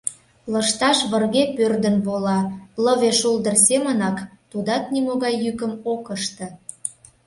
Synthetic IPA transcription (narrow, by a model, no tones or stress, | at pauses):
ləʃt̪ɑʃβərɣepørd̪ənbolɑləβeʃuld̪ərsemənɑkt̪ud̪ɑt̪̚nimoɣɑjːykə̆mokəʃt̪ə̆